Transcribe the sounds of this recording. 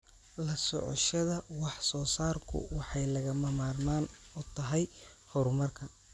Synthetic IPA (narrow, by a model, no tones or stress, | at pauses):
lɐsɔ̰ʕɔ̰ʃɐðɐwɑħsɔːsaːrkʰʊ̰wɑħɑjlɐɣɐmɐmaːrnaːnɔt̪ʰɐɦɛjhɔɾmɐrkʰɐ